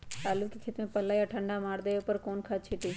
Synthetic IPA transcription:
aːlukikʰɪt̪mẽpɐlaːjaʈʰə̃ɳɖamaːɽd̪eːopəɾkoːnkʰat͡ʃʰiʈiː

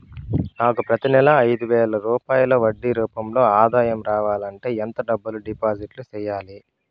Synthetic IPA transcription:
naːkupɾɐt̪inɛlɐːjd̪uʋɛːɭɐɾuːpaːjlɐʋɐɖːiɾuːpɐmlo̞ːaːd̪aːjɐmɾaːʋaːlɐɳʈe̞ːent̪ɐɖɐbːɐluɖipaːd͡ʒiʈlut͡ʃɛːjaːli

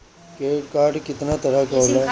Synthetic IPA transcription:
keːʈkaːɾɖkɪt̪nat̪ɐɾakɐola

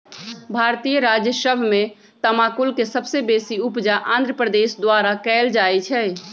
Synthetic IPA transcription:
bʱaɾt̪ijəɾad͡ʒjəsəbʱmẽ | t̪əmakulkesəbsebesiupd͡ʒaʔãnd̪ʱɾəpɾəd̪esd̪waɾakɛːld͡ʒaɛt͡ʃʰɛ

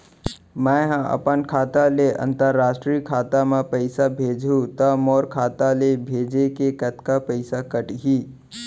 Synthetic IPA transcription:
mə̃ɦãə̰pənkʰaːt̪aleʔə̰̃nt̪əɾːaːsʈɾikʰaːt̪amãpəɪsabʱeːd͡ʒʱũt̪əmoːɾkʰaːt̪alebʱeːd͡ʒekekət̪kapəɪsakəʈɦiː

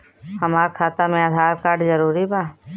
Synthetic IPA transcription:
hɐmaːɾkʰaːt̪amẽaːd̪ʱaːɾkaːɾɖzəɾuːɾibaː

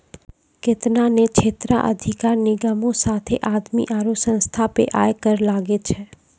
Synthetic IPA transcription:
ket̪nanet͡ʃʰet̪ɾa̰ʔə̰d̪ʱikaɾniɡəmõsat̪ʰeʔad̪mḭʔaɾosə̃st̪ʰapḛʔa̰jkəɾlaɡet͡ʃʰe

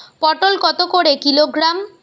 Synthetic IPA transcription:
pɔʈolkɔt̪okoɽekiloɡɾam

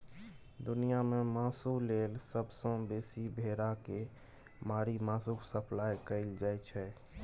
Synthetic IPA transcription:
d̪ʊnijamẽmaːsuleːlsəbsə̃beːsibʱeːɾake | maːɾimãːsuksəpʰlaːjkəɪld͡ʒaːɛt͡ʃʰɛ

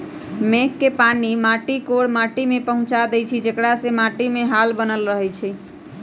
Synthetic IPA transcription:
mekːepanimaʈikoɽmaʈimepəɦũt͡ʃad̪ɛjt͡ʃʰid͡ʒekɽasemaʈimeɦalbənəlɾəɦɛt͡ʃʰi

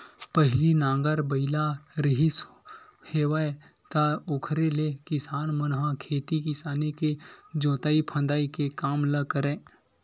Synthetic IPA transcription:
pəɦɪlinãːŋɡəɾbəɪlaɾɪɦɪs | heːwae | t̪aoːkʰɾelekɪsaːnmənɦãkʰeːt̪ikɪsaːneked͡ʒõːt̪aːipʰə̃nd̪aːikekaːmləkəɾẽː

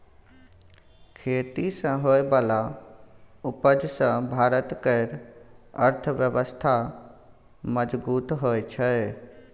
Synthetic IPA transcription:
kʰeːt̪isə̃ɦoːebaːla | ʊpəd͡ʒsə̃bʱaːɾət̪keɾəɾt̪ʰəʋjəʋəst̪ʰa | məd͡ʒbuːt̪ɦoːet͡ʃʰə

